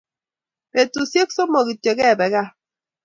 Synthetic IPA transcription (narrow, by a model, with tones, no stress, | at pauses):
be˨tu˨sje˦kso˦mɔ˨ɣi˨tje˨ɣɛ˦˨bɛ˨ɣa˦